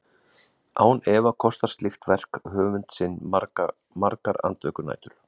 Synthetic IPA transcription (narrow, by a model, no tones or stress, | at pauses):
a̰ːwnɛːvakʰɔst̪ḁst̪lɪxt̪vɛr̥khœːvʏnt̪sɪnː | maɾkaɾa̰nt̪vœːkʏna̰jt̪ʏɾ̥